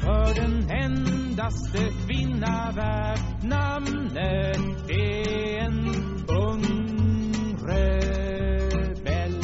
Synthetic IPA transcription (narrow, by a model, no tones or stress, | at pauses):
fɔdɛnɛnd̪ast̪əkʰvɪnːa | væ | ɖ | nam | nə | d̪e | en | ɔŋ | ɾə | bɛl